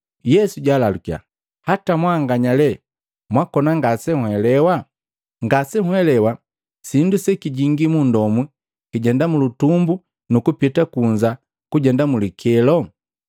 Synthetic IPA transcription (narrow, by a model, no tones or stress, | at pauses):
jɛsuɟaːlalukia̰ | hatamwaːŋɡaɲalɛ | mwakɔnaŋɡasɛhwɛlɛwa | ŋɡasɛhwɛlɛwa | sindusɛkiɟiŋɡimundɔmwi | kiɟɛndamulutumbu | nukupitakuɲd͡ʒa | kuɟɛndamulikʰɛlɔ